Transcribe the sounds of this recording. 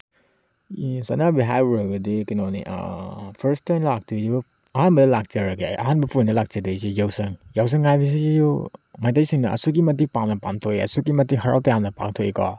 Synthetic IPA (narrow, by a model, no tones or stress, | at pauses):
isanabiɦajbuɾɐɡudikinownḭʔa̰pʰɐɾstanlak̚tʰuibɐ | ɐɦanbɐdɐlak̚t͡ʃɐɾaɡeɐ̰ɦanbɐpʰundɐlak̚t͡ʃedɯjsijawsɐŋjaws̬ɐŋːajbis̬izijomajtajsiŋnɐʔɐ̰suɡimɐt̬ipamnɐpamtʰoiɐ̰suɡimɐtiɦɐɾa̰wtɐjamnɐpa̰ŋtʰoikɔ̰